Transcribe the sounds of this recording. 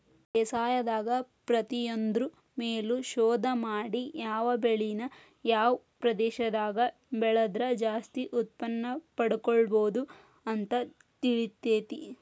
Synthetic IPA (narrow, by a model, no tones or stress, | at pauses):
ɛsaːjɐd̪aːɡɐpɾɐt̪ijond̪ɾu | meːluʃɔːd̪ʱɐmaːɽijaːʋɐbeɭinɐ | jaːʋɐpɾɐd̪ɛːʃɐd̪aːɡɐ | bɛɭɐd̪ɾɐd͡ʒaːst̪iʔut̪̚pɐnːɐpɐɽukɔɭboːd̪u | ɐnt̪ɐ | t̪iɭit̪ːeːt̪i